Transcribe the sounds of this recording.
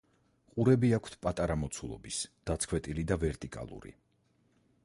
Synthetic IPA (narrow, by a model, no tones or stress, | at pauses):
qʼuɾɛbiakʷʰt̪ʰpʼat̪ʼaɾamɔt̪sʰulˠɔ̰bisd̪̥at̪sʰkʰwɛt̪ʼilid̪avɛɾt̪ʼikʼa̰lˠṵɾḭ